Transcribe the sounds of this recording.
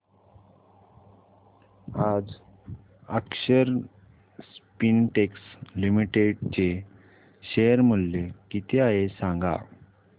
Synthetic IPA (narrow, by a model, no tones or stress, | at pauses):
ad͡z | əkɕəɾ | spinʈekslimiʈeɖt͡ɕe | ɕejəɾmulːekit̪ʰeaɦesãŋɡa̰